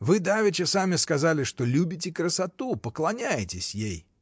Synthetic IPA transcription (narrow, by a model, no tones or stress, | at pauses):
vɨd̪avʲɪt͡ʃɪsamʲɪskazalʲɪʂt̪olʲubʲɪt̬ʲɪkɾəsat̪upəklˠɐnʲajɪtʲɪsʲjej